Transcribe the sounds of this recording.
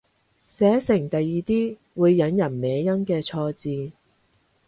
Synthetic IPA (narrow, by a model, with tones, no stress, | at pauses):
sɛː˨˥sɪ˨˩ŋt̪ɐ˨jːiː˨t̪iː˥ | wuː˨˧jːɐ˨˥njɐ˨˩nmɛː˨˧jɐ˥nkɛː˧t͡sʰɔː˧t͡siː˧